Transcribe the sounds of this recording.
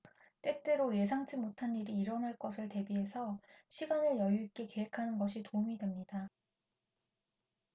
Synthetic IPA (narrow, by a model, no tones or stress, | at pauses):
t͈e̞t͈e̞ɾoje̞s̬ʰaŋd͡ʑimotʰanːiɾiːɾʌnaɭk͈ʌsʰɯɭte̞biɦe̞sʰʌɕʰiɡanɯɭjʌjuik͈e̞ke̞ɦekʰanɯnɡʌɕʰitoumidwe̞mɲida